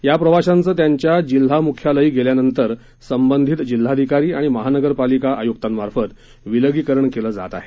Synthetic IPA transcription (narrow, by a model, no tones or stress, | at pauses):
japɾəʋaɕant͡səːt̪jaɲt͡ɕjad͡ʑil̤ːamukʰjaləiːɡeljanənt̪əɾ | səmbənd̪ʱit̪d͡ʑil̤ːad̪ʱikaɾiːaɽ̃iməɦanəɡəɾpalikaʔajukt̪anmaɾfət̪ | ʋiləɡiːkəɾəɳkeləːd͡za̰t̪a̰ɦe